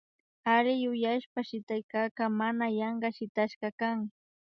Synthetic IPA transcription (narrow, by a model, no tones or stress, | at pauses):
aɾɪjʊjaʃpaʃɪt̪ajkaːkamanajɑɴɢɑʃɪt̪aʃɢɑkaŋ